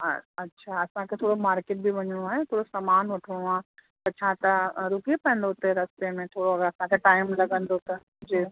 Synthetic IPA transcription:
ɐtːʃʰaɐsãkʰet̪ʰoːɽomaːɾkeːʈ̚bʱiʋɐɲiɽ̃õaːɦet̪ʰoːɽosɐmaːnʋɐʈʰːɽɽ̃oaː | pɐt͡ɕʰãt̪ɐɾukiepɐə̃nd̪ot̪eɾɐst̪emẽt̪ʰoːɽoɐɡɐsãkʰeʈaːɪmlɐɡə̃nd̪ot̪ɐ | d͡ʑeː

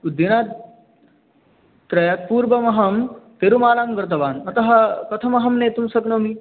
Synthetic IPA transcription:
ud̪inaːt̪ | t̪ɾɐjaːt̪̚puːɾbɐmɐɦɐmt̪eɾumaːlaːmɡɐɾt̪̬ɐʋaːnɐt̪ɐɦɐkɐt̪ʰɐmɐɦɐmneːt̪umsɐɡnoːmiː

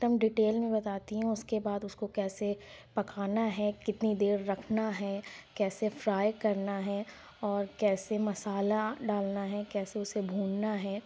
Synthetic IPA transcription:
t̪ɐmɖɪʈeːlmẽbɐt̪aːt̪iɦɛ̃ʊskebaːd̪ʊskokɛːsepɐkaːnaɦɛkɪt̪nid̪eːɾːɐkʰnaɦɛkɛːsefɾaːjkɐɾnaɦɛ | ɔːɾkɛːsemɐsaːlaɖaːlnaɦɛkɛːseʊsebʱuːnnaɦɛː

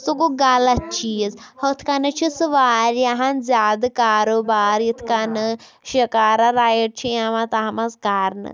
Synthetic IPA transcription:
sukoɡalɐt̪̚t͡ʃʰizhot̪ʰkanɨt͡ʃʰisɨʋaːɾjaɦanzʲaːd̪kaːɾoːbaːɾjit̪ʰkanɨ | ʃɐkaːɾaɾaːjiʈ̚t͡ʃʰijãʋãt̪aɦmɐsɡaɾnɨ̰

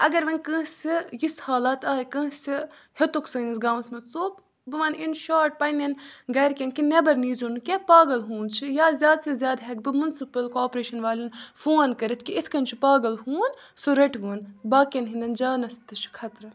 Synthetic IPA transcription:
ɐɡɐɾʋɐnkə̃ːsʲijishaːlaːt̪aːikɐ̃ːsʲihet̪uksɐːnisɡaːʋnsmɐt͡soːb | bɨʋɐninʃaːɾʈ̚pɐjnenɡɐjɾkʲenkinebɐɾniːzunkepaːɡɐlɦũːnt͡ʃʰijaːzʲjaːd̪sɐzʲjaːd̪ɦekbɨmunsipɐlkoːpɾeːʃɐnʋaːlinfoːnkɐɾɐt̪ʰkiiskɐnt͡ʃʰipaːɡɐlɦuːn | suɾɐʈʋuːnbaːkenɦind̪ɐnd͡ʒaːnɐst̪ɨt͡ʃʰi̥kʰɐt̪ɾɐ

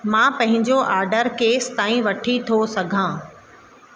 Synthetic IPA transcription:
mãːpɐ̃ɦɪ̃ɲd͡ʑoʔaːɾɖəɾkeːst̪aːĩʋɐʈʰit̪ʰosɐɡʱãː

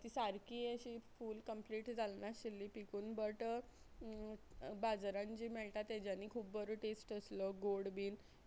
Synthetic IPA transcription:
t̪iːsaɾkiəɕiːfuːlkəmpliːʈd͡zʱalnaɕilːiːpikuːnbəʈ | bad͡zɾãɲt͡ɕiːmɛɭʈat̪ad͡ʑanːiːkʰuːbbəɾuʈesʈəsləɡoɽbiːn

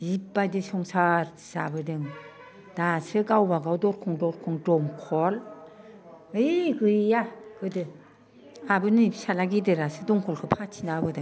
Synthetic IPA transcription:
ipːajdɯsɔŋsaɾ | sa̰bɯdɯŋ | dasɯɡawbaɡawdɔɾkʰɔŋdɔɾkʰɔŋdɔmkʰɔl | ɯjɡɯjjaɡ̥ɯdɯ | abɯnɯsalaɡidɯɾasɯdɔŋkʰɔlkʰɯpʰatʰinabɯdɯŋ

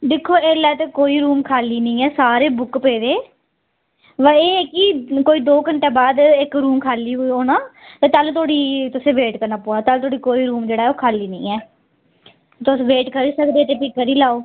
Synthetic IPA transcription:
d̪ɪkʰːoːeːlɛːt̪eːkoːiːɾuːmkʰaːliːnəĩːɛːsaːɾeːbʊkpeːd̪eː | ʋəeːkiːkoːiːd̪oːkəɳʈeːbaːd̪ɪkɾuːmkʰaːliːɦoiɦoːnaːt̪eːt̪əlt̪oːɽiːt̪ʊsẽːʋeːʈkəɾnaːpoːaːt̪əlt̪ʰoːɽiːkoːiːɾuːmd͡ʒeːɽaːɛoːkʰaːliːnə̃ĩːɛː | t̪ʊsʋeːʈkəɾiːsəkd̪eːt̪eːpɪkːəɾiːlaːoː

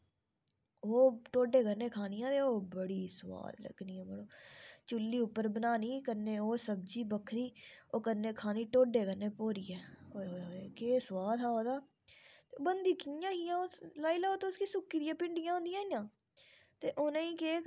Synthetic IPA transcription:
oːʈoːɖeːkəɾneːkʰaːnɪjãːt̪eːoːbəɽiːsəwa̰ːd̪lə̰ɡniːɛːməɽoːt͡ʃʊlːiːʊpːəɾbənaːniːkənːeːoːsəb̚d͡ʒiːbəkʰɾiːoːkənːeːkʰaːniːʈoːɖeːkəɾneːpoːɾiːɛːoːoeːkeːswaːd̪ɦaːoːd̪aː | t̪ebənd̪iːkijãːɦiːãːoːlaːiːlaːoːt̪eːʊskiːsʊkːiːd̪ɪjãːpɪɳɖijãːɦʊ̃nd̪ijãːiːjãː | t̪eːʔoːnẽːĩːkeː

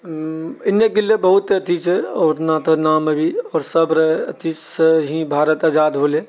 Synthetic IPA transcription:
ɪnjekilːebəɦut̪ət̪it͡ʃʰɛɔːɾnaːt̪ənaːməbʱiɔːɾsəbɾeət̪it͡ʃɦĩbʱaːɾət̪ad͡ʒaːd̪ɦole

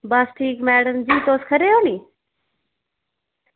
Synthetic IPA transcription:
baːsʈʰiːkmɛːɽəmd͡ʑiːt̪oːskʰəɾeːɦoːniː

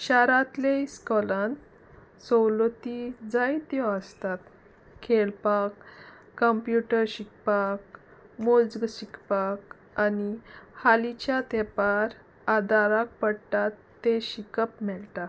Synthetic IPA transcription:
ɕaɾat̪leskɔlãn | sɔwlot̪id͡zajt̪jɔəst̪at̪ | kʰelpakː | əmpjuʈəɾɕik̚pak | mold͡zɡɕikpak | anihalit͡ɕjat̪epaɾ | ad̪aɾak̚pəɽʈ̪at̪ːeɕikəpmɛlt̪a

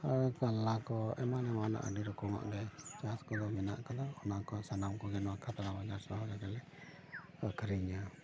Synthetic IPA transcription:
akalːakɔɛmanɛmana̰ʔa̰diɾɔkɔŋɔ̰ʔdɛt͡ʃaskɔd̪ɔmina̰ʔkad̪ɔɔnakɔsanamkɔɡɛnwakʰat̪aɾabad͡ʒaɾsaɦɡakalɛ | akʰəɾiɲa

